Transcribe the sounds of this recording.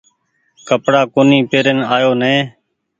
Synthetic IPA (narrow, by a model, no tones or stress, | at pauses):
kəpɽaːkoːniːpeːɾənaːjoːnẽː